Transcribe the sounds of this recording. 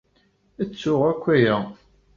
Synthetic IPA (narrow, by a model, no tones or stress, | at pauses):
æt͡sːʊʁækʷːæjæ